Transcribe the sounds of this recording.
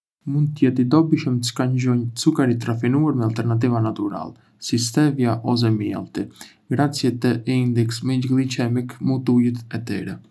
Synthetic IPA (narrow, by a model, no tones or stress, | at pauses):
mund̪t̪ːəjɛt̪id̪ɔbiʃəməkaɲd͡ʒɔɲt͡sukaɾit̪ɾafinuaɾmɛalˠt̪ɛɾnat̪̬ivanat̪uɾa̰lɛ | sist̪ɛvjaʔɔs̬ɛmiɛ̰lˠt̪i | ɡɾat͡sjɛt̪əʔind̪ɛksmɛd͡ʒɡlˠit͡ʃɛmikmut̪ujit̪ɛt̪ɛɾɛ